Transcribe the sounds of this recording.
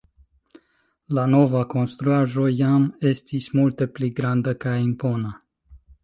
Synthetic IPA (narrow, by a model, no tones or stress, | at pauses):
lano̞vako̞nst̪ɾuaʒo̞jamest̪ismult̪e̞pliɡɾand̪əkainpona